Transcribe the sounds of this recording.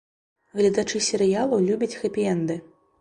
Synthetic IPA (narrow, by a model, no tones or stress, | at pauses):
ɣlʲɐd̪at͡ʂɨsʲɛɾɨjalˠɐlʲubʲɐt͡sʲxɐpʲijɛnd̪ɨ